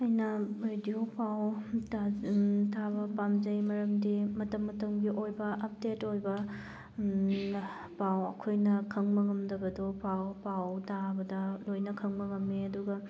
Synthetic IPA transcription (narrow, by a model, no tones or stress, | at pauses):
ɐjnɐɾediopawtatʰabɐpamzɐjmɐɾɐmdimɐtɐmːɐtɐmɡiʔojbɐʔɐp̚detojbɐ | pawɐkʰojnɐkʰɐŋmɐŋɐmdɐbɐdopawpawtabɐdɐlojnɐkʰɐŋmɐŋɐmːeɐduɡɐ